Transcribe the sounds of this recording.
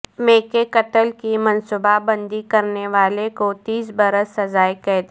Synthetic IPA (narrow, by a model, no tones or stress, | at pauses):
mẽːkekɐt̪əlkimɐnsubabɐ̃nd̪ikɐɾneʋaːlekot̪iːsbɐɾəsːɐzaːjkɛːt̪